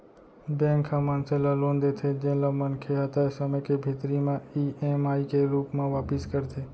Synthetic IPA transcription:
bẽŋkʰãmənselalõnd̪et̪ʰed͡ʒẽlamənkʰeɦət̪asəməjkebʱet̪ɾimãiemaikeɾuːpmãʋaːpɪskəɾt̪ʰe

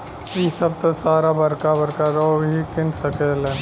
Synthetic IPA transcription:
iːsɐb̚t̪osaːɾabɐɾkabɐɾkaɾoobikɪnsɐkelɛ̃ːn

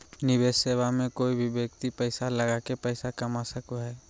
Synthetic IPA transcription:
nɪbesːebamẽkoibʱibjək̚t̪ipəɪsaləɡakepəɪsakəmasəkuɦɛː

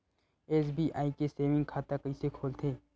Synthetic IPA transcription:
eːsbʱiʔaːikeseːʋɪ̃ŋɡ̚kʰaːt̪akəisekʰoːlt̪ʰeː

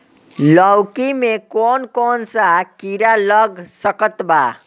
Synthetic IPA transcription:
ləwkimekonkonsakiɾaləɡsəkət̪ba

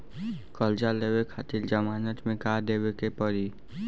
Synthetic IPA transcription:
kəld͡ʒaleːwekʰaːt̪ɪld͡ʒəmaːnət̪mẽkaːd̪eːwekepəɾi

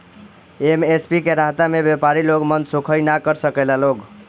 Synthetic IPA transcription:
emespikeɾaɦt̪amebjepaɾiloɡmənd̪sokʰəjnakəɾsəkəlaloɡ

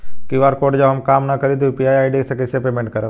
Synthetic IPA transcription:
kiʋaːɾkoːʈd͡ʒɐbɦɐmkaːmnɐkɐɾid̪upiaːjaːiɖisekɪsepeːmẽɳʈ̚kɐɾə

